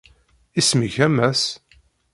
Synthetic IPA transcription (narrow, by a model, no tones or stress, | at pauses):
isməçæmæs